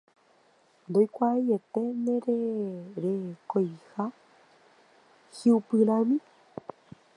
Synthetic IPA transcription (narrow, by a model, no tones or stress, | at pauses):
nd̪ojkʷaajet̪enẽɾeɾekojha | hiupɨɾãmĩ